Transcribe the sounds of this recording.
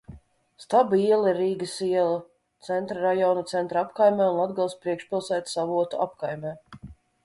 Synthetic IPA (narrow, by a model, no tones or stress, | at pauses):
st̪abiɛlˠɾːiːɡəsiɛlˠa | t̪sɛnt̪ɾaɾajɔːnat̪sɛnt̪ɾapkajmʲɛːunad̪ɡalˠspɾiɛkʃpʲilˠsæːt̪savuɔt̪ṵʔa̰p̚kajmʲɛː